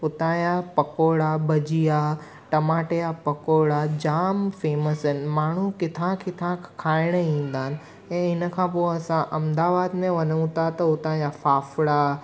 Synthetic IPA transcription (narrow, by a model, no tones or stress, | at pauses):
ʊt̪ãːjapɐkoːɽabɐd͡ʑija | ʈɐmaːʈejapɐkoːɽad͡ʑaːmfeːməsɪnɪ̆maːɳ̤ukɪt̪ʰãkɪt̪ʰãkʰaːɪɽ̃əĩːn̆d̪aɦɪnɪ̆ | ɛ̃ːɦɪnə̆kʰãpoːɐsãʔɐ̃md̪aːbaːd̪mẽʋɐnəʋũt̪ʰat̪ɐʊt̪ãːjafaːfɽa